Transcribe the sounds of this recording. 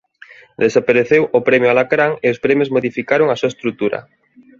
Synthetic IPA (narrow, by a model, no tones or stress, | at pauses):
d̪esapaɾeθewʔopɾɛmjoalakɾaŋeospɾɛmjozmoðifikaɾoŋasuaest̪ɾut̪uɾɐ̰